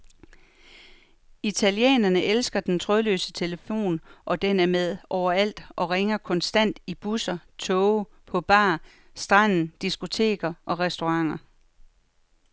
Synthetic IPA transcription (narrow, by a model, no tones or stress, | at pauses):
it͡sʰæljḛːnɐnəʔelsɡ̥ɐd̥ent͡sʰʁɔðˠlø̰ːsə̥t͡sʰe̝ləfo̝̰ːnʔɒ̽d̥enæɐmeð̞ˠɒʊɐæl̰d̥ʔɒ̽ʁeŋɐkʰɒ̽nsd̥æn̰d̥ib̥usɐt͡sʰɔʊ | pʰɒ̽b̥ɑ̰̈ː | sd̥ʁɑn̰n̩d̥isɡ̥o̝t͡sʰe̝̰ːɡ̥ɐʔɒ̽ʁɛsd̥o̝ʁɑ̈ŋ̰ɐ